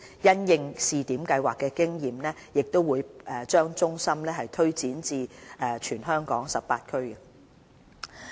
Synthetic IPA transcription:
jɐ˥njɪ˧ŋsiː˨t̪iː˨˥mkɐ˧jwaː˨kːɛː˧kɪ˥ŋjiː˨˩mnɛː˥jɪ˨k̚t̪o˥wuː˨˧jʔːt͡ʃœː˥ŋt͡ʃʊ˥ŋsɐ˥mlɛː˥ɦɐ˨jt̪ʰɵ˥ɥt͡siː˨˥nt͡siː˧ɛː˨˩t͡ʃʰyː˨˩nɦœː˥ŋkɔː˨˥ŋsɐ˨p̚paː˧t̚kʰɵ˥ɥkɐ˧

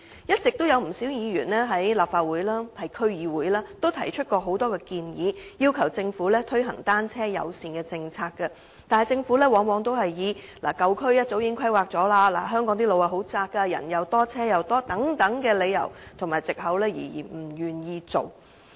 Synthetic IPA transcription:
jɐ˥t̚t͡sɪ˨k̚t̪o˥wjɐ˨˧wm̩˨˩siː˨˥wjiː˨˧jyː˨˩nlɛː˥ɦɐ˨˥jlaː˨p̚faː˧t̚wuː˨˥jlaː˥hɐ˨jkʰɵ˥ɥjiː˨˧wuː˨˥jlaː˥t̪o˥wt̪ʰɐ˨˩jt͡ʃʰɵ˥t̚kɔː˧ɦo˨˥wt̪ɔː˥kɛː˧kiː˧njiː˨˧jiː˥wkʰɐ˨˩wt͡sɪ˧ŋfuː˨˥lɛː˥t̪ʰɵ˥jɦɐ̰˨˩ŋt̪aː˥nt͡sʰɛː˥jɐ̰˨˧wsiː˧nkɛː˧t͡sɪ˧ŋt͡sʰaː˧kːɐ˧ | t̪aː˨nhɐ˨˩jt͡sɪ˧ŋfu˨˥lɛː˥wɔː˨˧˥ŋwɔː˨˧ŋt̪o˥wɦɐ˨jjiː˨˧la̰ː˨˩kɐ˨˧wkʰɵ˥ɥjɐ˥t̚t͡so˨˥wjɪ˧˥ŋkʰɐ˥jwaː˨k̚t͡sɔː˨˥laː˧la̰ː˨˩ɦœː˥ŋkɔː˨˥ŋt̪iː˥lo˨˧wa˨˩ɦo˨˥wt͡saː˧kːɐ˧jɐ̰˨˩njɐ˨˧wt̪ɔː˥t͡sʰɛː˥jɐ˨˧wt̪ɔː˥t̪ɐ˨˥ŋt̪ɐ˨˥ŋkɛː˧le˨˧jɐ̰˨˩wt̪ʰʊ˨˩ŋmaː˨jt͡sɪ˨k̚ɦɐ˨˥wlɛː˥jḭː˨˩jḭː˨˩m̩˨˩jyː˨njiː˧t͡so̰˨w

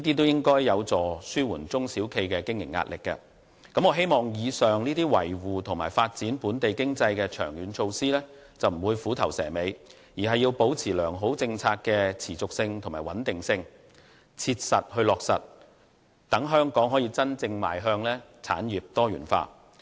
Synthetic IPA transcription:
niː˥t̪̬iː˥t̪̬o˥wjɪ˥ŋkɔː˥jːɐ˨˧wt͡sɔː˨˩syː˥wuː˨˩nt͡sʊ˥ŋsiː˨˥wkʰe˧jkɛː˧kɪ˥ŋjɪ̰˨˩ŋːa̰ː˧t̚lɪ̰˨kːɐ̰˧ | kɐ˨˥mŋɔ˨˧ɦe˥jmɔː˨˩ŋjiː˨˧sœː˨ŋniː˥t̪iː˥wɐ̰˨˩jwuː˨t̪ʰʊ˨˩ŋmaː˨˩jfaː˧t̚t͡siː˨˥npuː˨˥nt̪e˨jkɪ˥ŋt͡sɐ˧jkɛː˧t͡ʃʰœ̰ː˨˩ŋjyː˨˥nt͡ʃʰo˧wsiː˥lɛː˥t͡sɐ˨wm̩˨˩wuː˨˧jfuː˨˥t̪ʰɐ˨˩wsɛ̰ː˨˩me˨˧j | jiː˨˩ɦɐ˨jːi˧wpo˨˥wt͡sʰiː˨˩lœː˨˩ŋɦo˨˥wt͡sɪ˧ŋt͡sʰaː˧k̚kɛ˧t͡sʰiː˨˩t͡sʊ˨k̚sɪ˧ŋt̪ʰʊ˨˩ŋmaː˨˩wɐ˨˥nt̪ɪ˨ŋsɪ˧ŋ | t͡sʰiː˧t̚sɐ˨t̚hɵ˧lɔː˨k̚sɐ̰˨t̚ | t̪ɐ˨˥ŋɦœː˥ŋkɔː˨˥ŋɦɔː˨˥jiː˧t͡sɐ˥nt͡sɪ˧ŋma̰ː˨jɦœː˧ŋlɛː˥t͡sʰa̰ː˨˥njiː˨p̚t̪ɔː˥jɥyː˨˩nfa̰ː˧

